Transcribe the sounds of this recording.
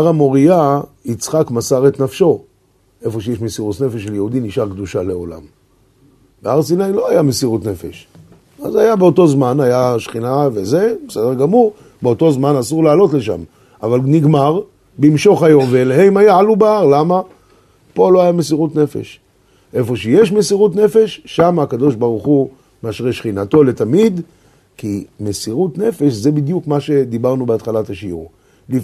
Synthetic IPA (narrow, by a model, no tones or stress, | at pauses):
aʁamo̞ʁija | it͡sχakmasaʁet̪nafʃo̞ | ʔe̞fo̞ʃejeʃmesiʁut̪ne̞feʃeljehud̪iniʃaʁkd̪uʃale̞o̞la̰m | beaʁsinajlo̞ajamesiʁut̪ne̞fe̞̰ʃ | a̰zajabeo̞to̞zmanajaʃχinaveze̞besed̪eʁɡamuʁ | beo̞t̪o̞zmanasuʁlaːlo̞tle̞ʃa̰m | avalniɡmaʁ | bimʃo̞χhajo̞mveeleɦeimajaʕalubaaʁlama | po̞lo̞hajamesiʁut̪ne̞fḛʃ | ʔe̞fo̞ʃejeʃmesiʁut̪ne̞fe̞ʃːamaːkad̪o̞ʃbaʁuχu | meaʃʁeʃχinato̞let̪amid̪ | kime̞siʁut̪ne̞fe̞ʃze̞bid̪jukmaʃe̞d̪ibaʁnubeat̪χalataʃiṵʁ | li